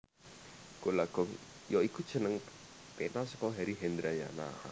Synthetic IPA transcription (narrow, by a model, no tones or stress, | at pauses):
kolaɡ̥ɔŋ | jɔikud̥ʒ̥ə̤nəŋ | penasɔkɔɦaɾiɦɛnd̪ɾaja̰na̰